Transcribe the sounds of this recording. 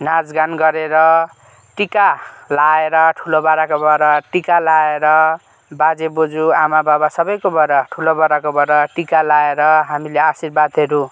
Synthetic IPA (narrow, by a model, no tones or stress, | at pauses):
nad͡zɡanɡʌɾeɾʌ | ʈikalaeɾʌʈʰulobaɾakobʌɾaʈikalaeɾʌ | bad͡zebod͡zuamababasʌbʌjkobʌɾaʈʰulobaɾakobʌɾʌʈikalaeɾʌɦamileasirbad̪ʱɦeɾu